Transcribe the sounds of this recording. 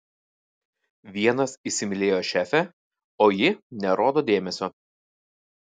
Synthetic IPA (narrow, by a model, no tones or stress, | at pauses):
ʋʲiɛnɐsisʲɪmʲɪlʲeːjoːʃʲæːfʲɛ | oːjɪnʲɛɾoːd̪oːd̪ʲeːmʲɛsʲoː